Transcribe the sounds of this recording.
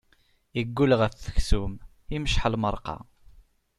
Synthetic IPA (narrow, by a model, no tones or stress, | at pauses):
jəɡːuləʁæθθə̥çsum | iməʃħəlməɾˤqɑ̰